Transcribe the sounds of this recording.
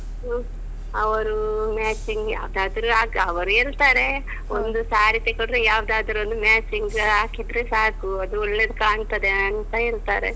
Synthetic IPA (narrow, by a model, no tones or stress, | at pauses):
ɐʋɐɾumaːt͡ʃiŋɡja̰ːʋd̪aːd̪ɐɾuaːkɐʋɐɾuiɾt̪aːɾe̞ | ond̪usaːɾit̪ekoɽɾejaːʋd̪aːd̪ɐɾond̪umaːt͡ʃiŋɡaːkid̪ɾesaːkuɐd̪uoɭːed̪kaːɳt̪ɐd̪eɐnt̪ɐiɾt̪aːɾḛ